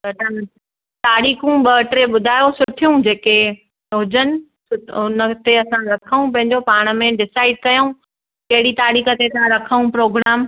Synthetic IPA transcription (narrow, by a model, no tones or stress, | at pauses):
bɐʈa | t̪aːɾiːxũɓɐʈɾeɓʊd̪ʱaːjosʊʈʰijũd͡ʑeːke | ɦʊd͡ʑənɪ̆ | ʊʊnə̆t̪eɐsãɾɐkʰəũpɐ̃ɦɪ̃ɲd͡ʑopaːɽ̃ə̆mẽɖɪsaːɪɖ̚kɐjoũ | kɐɦɪɽit̪aːɾiːxə̆t̪et̪ʰãɾɐkʰəũpɾoːɡɾaːm